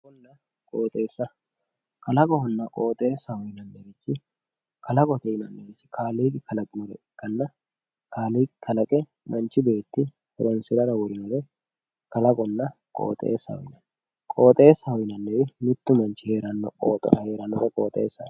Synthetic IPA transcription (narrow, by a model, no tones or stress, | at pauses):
ɔnːɐ | kʼoːt̪ʼe̞ːsːɐ | kɐlɐkʼɔhʊnːɐkʼoːt̪ʼe̞ːsːɐhɔjnɐnːɛbɪt͡ʃːɪ | kɐlɐkʼɔt̪ɛjɪnɐnːɛbɪsɪ̥kʰaːliːkɪkɐlɐkʼɪmɔɾɛ̰ɪkːɐnːɐ | kaːliːkɪkʰːɐlɐkʼɛ | mɐnt͡ʃːɪbe̞ːt̪ːɪ | hɛɾɔnsɪɾɐɾɐwɔɾɪnɔɾɛ | kɐlɐkʼɔnːɐ | kʼo̰ːt̪ʼḛːsːɐhɔ̰jɪnɐ | kʼo̞ːt̪ʼe̞ːsːɐhɔjnɐnːɛbɪmɪt̪ːʊmɐnt͡ʃːɪheːɾɐnːɔ̰kʼo̰ːt̪ʼɔ̰nɐhe̞ːɾɐnːɔɾɛkʼoːt̪ʼḛːsːɐ